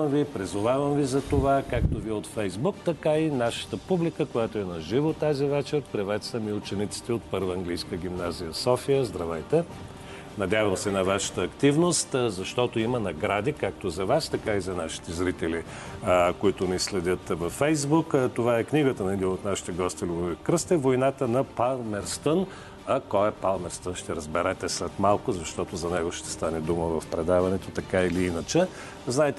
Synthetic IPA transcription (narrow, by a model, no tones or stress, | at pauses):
əmvipɾizʊvavəmvizɐt̪ovakak̚t̪oviɛot̪fɛjzbuk̚t̪ɐkainaʃə̥t̪əpublikəkojat̪oɛnɐʒivot̪azivɛt͡ʃɛɾpɾivɛt̪səmiut͡ʃɛnit̪si̥t̪ɛot̪̚pɤɾvəɐŋɡlijskəɡʲimnazijəsɔfijəzd̪ɾɐvɛjt̪ɛ | nɐd̪ʲavəmsɛnɐvaʃə̥t̪əːkt̪ivnost̪zɐʃt̪ɔt̪oimənɐɡɾad̪ikakt̪ozɐvast̪ɐkaizɐnaʃi̥t̪ɛzɾit̪ɛli | koit̪ʊnislɛd̪ʲət̪vɐfːɛjzbukt̪ovaɛkniɡət̪ənɐd̪iot̪naʃi̥t̪ɛɡɔst̪ilʲuvɛkɾəst̪ɛvojnat̪ənɐpalˠmɛɾst̪ən | ɐkɔɛpalˠmɛɾst̪ənʃt̪ɛɾəzbɛɾɛt̪ɛslɛt̪malˠkʊzɐʃt̪ɔt̪ozɐnɛɡoʃt̪ɛ̥st̪anɛd̪uməvɐfpɾɛd̪avɐnɛt̪ot̪ɐkailiinət͡ʃɛ | znaɛt̪ɛ